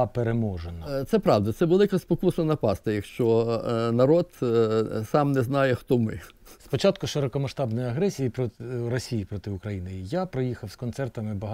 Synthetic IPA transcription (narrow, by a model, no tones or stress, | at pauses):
peɾemɔʒenɐt̪sɛpɾɑwd̪ɐt̪sɛʋelˠɪkɐspɔkusnɐnɐpɑst̪ɐjɐkʃt͡ʃɔnɐɾɔd̪ | sɑmnɛznɑjɛxt̪ɔmɪ̰spɔt͡ʃɑt̪kʊʃeɾɔkɔmɐʃt̪ɑbnɔjɐɦɾɛsʲijipɾɔɾɔsʲijipɾɔt̪ɪʊkɾɐjinejapɾɔjixɐwskɔnt̪sɛrt̪ɐmɪbɐɦ